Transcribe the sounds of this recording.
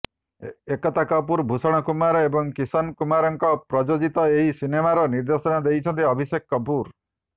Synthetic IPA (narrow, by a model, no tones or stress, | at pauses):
ekɔt̪akɔp̬uɾbʱusɔɽ̃ɔkumaɾɔebɔŋkisɔnkumaɾɔŋkɔpɾɔd͡ʒod͡ʒit̪ɔeɦisinemaɾɔniɾd̪esɔnad̪ejt͡ʃʰɔnt̪iɔbʱisekːɔpuɾ